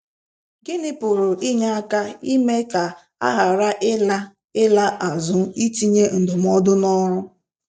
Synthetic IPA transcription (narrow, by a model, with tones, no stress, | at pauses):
ɡɪ˦nɪ˦pʊ˨ɾʊ˨ʔi˦ɲa˦a˦ka˦i˦me˦ka˨ | a̰˦ɦa˨ɾa˦ʔɪ˦la˦ | ɪ˦la˦ʔa˨zʊ˦i˦ti˦ɲe˦n̩˨dʊ˨m̩˦ɔ˦dʊ˦nɔ˦ɾʊ˦